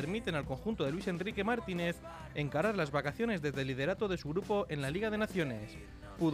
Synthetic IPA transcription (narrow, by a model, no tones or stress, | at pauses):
eɾmit̪e̞nalko̞ŋxunt̪oe̞lwise̞ndrike̞maɾt̪ine̞θ | e̞ŋkaɾaɾlazβakaθjo̞ne̞zðe̞zðelið̞e̞ɾat̪oðe̞suɣɾupo̞ʔe̞nlaliɣ̞að̞e̞naθjo̞ne̞s | pu